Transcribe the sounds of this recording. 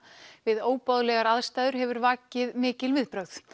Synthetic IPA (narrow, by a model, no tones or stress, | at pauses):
vɪðoːwpɔðlɛɣaɾaðst̪aːjðʏɾ̥ɦɛvʏɾvaːcɪðmɪːcɪlvɪðpɾœɣð̥